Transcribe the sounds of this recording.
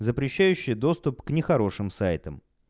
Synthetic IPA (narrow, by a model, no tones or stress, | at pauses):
zəpɾʲɪɕːæjʉɕːɪjəd̪o̞st̪ʊpknʲɪxɐɾo̞ʂɨmsajt̪əm